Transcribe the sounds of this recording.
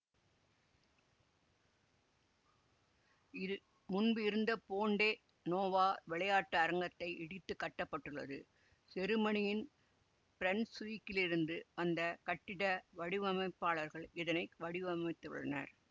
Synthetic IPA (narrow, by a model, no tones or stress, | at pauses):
ɪ | mʊnbɯɪɾɯnd̪ɐpoːɳɖeː | noːʋaːʋɪɭɐjaːʈːɐːɾɐŋɡɐt̪ːɐɪʔɪɽɪt̪ːɯkːɐʈːɐpːɐʈːɯɭːɐ̰ðɯ | sɛɾɯmɐɳɪjɪn | pɪɾɐnsʋikːɪlɪɾɯnd̪ɯɐnd̪ɐkɐʈːɪɽɐʋɐɽɪʋɐmɐɪpːaːɭɐɾɣɐɭɪðɐnɐɪʋɐɽɪʋɐmɐɪt̪ːɯʋɪ̰ɭɐnɐ̰ɾ